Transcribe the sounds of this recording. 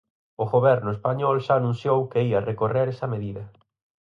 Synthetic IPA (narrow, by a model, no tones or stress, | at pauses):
ʊɣoβɛɾnʊespaɲɔlʃaːnũnθjowkeiɐrekoreɾesɐmeðiðɐ